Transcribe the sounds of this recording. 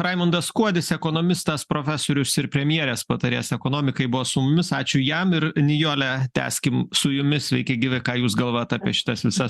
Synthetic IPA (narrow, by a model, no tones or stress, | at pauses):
ɾɐɪmʊnd̪ɐsskuɔd̪ʲɪsɛkoːnoːmʲɪst̪ɐspɾoːfʲæːsoːɾʲʊsɪɾpʲɾʲɛmʲjiɛɾʲɛspɐt̪ɐɾʲeːsɛkoːnoːmʲɪkɐɪbʊʋɔsʊmʊmʲɪsɑːt͡ʃʲʊjɛmɪɾnʲɪjoːlʲɛt̪ʲæ̰ːsʲkʲɪmsʊjʊmʲɪsʲʋʲɛ̰ɪkʲɛɪɡʲɪʋʲɪkɑːjuːsɡɐlˠʋoːjot̪ɑːpʲiɛʃʲɪ̥t̪ɐsʋʲɪsɐs